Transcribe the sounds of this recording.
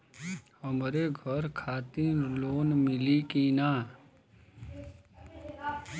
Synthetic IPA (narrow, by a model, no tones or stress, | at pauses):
ɦəmɾeɡʱəɾkʰaːt̪iloːnmɪlikiːnaː